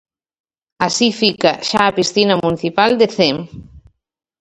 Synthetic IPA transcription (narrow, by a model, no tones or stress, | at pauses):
asifikaʃaːpist̪inamuniθipald̪eθem